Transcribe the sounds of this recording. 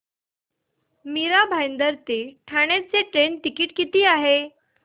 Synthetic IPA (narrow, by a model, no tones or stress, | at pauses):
miɾabʱajnd̪əɾt̪eʈʰaɽ̃at͡seʈɾenʈikiːʈkit̪iːaɦe